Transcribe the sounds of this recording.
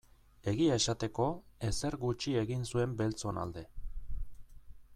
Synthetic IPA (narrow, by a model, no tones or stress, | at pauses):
e̞ɣiae̞sat̪e̞ko̞e̞se̞ɾɣut͡ʃie̞ɣinsue̞mbe̞lt͡so̞na̰ld̪e̞